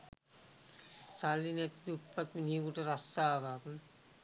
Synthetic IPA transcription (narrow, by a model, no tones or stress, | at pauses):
salːinɛt̪i̥d̪upːat̪minikuʈəɾasaːʋaːku